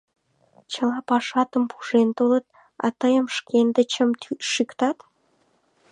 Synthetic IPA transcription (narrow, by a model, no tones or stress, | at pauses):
t͡ɕəlɑpɑʃɑt̪əmpʰu̥ʒent̪olət̪̚ | ɑ̰t̪əjəmʃkʰend̪et͡ɕəmt̪yʃykt̪ɑt̪